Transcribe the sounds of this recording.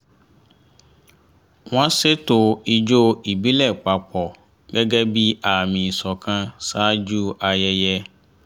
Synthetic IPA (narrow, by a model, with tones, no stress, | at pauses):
w̃ɔ̃˦se˦to˧i˧d͡ʒo˦i˨bi˨˦lɛ˦˨k͡pa˨k͡pɔ˨ | ɡɛ˦ɡɛ˦bi˦a˦˨mĩ˨sɔ˨kã˧sa˦d͡ʒu˦a˧jɛ˧jɛ˧